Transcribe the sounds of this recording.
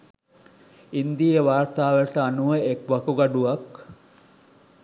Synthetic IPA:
ind̪iəʋaːrt̪aːʋəʈəanuʋəekʋɐkuɡɐɖuʋak

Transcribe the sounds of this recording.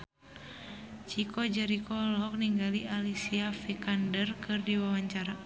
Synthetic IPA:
t͡ʃikʰɔd͡ʒɛɾikʰɔlɦɔk̚niŋɡalialisiafikandərkɨrdiwawaɲt͡ʃaɾa

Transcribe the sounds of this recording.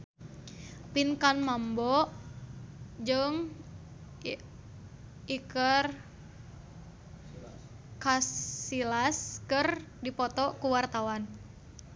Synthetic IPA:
pinkanmambɔ | d͡ʒɨŋ | ikər | kasilaskɨrdipɔt̪ɔkuwart̪awan

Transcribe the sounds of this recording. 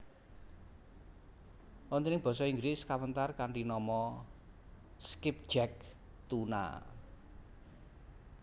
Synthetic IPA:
wɔnt̪inɪŋb̥ɔ̤sɔiŋɡɾɪskawənt̪arkaɳɖinɔmɔ | skɪp̚d̥d͡ʒɛk̚ | t̪una̰

